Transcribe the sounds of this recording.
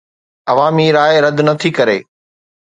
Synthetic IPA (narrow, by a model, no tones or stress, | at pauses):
ɐʋaːmiɾaːeɾɐd̪nɐt̪ʰikɐɾeː